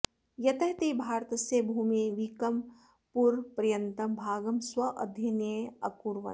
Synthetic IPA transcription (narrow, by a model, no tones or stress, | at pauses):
jɐt̪ɐɦt̪eːbʱaːɾt̪ɐsebʱuːmeʋikɐm | puɾpɾijɐnt̪ɐmbʱaːɡɐmswɐʔɐ̰d̪ʱjɐnjeɐkuɾʋɐ̰